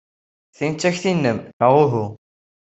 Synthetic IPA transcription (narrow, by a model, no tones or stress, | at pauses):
θint͡sːæçθinːəmnəʁʊɦu